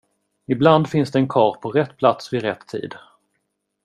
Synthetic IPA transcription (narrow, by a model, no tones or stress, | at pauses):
ɪbland̪fɪnsd̪ɛɛnkʰɑːɾpʰɔɾɛt̪ːpʰlat̪svɪɾɛt̪ʰːḭːd̪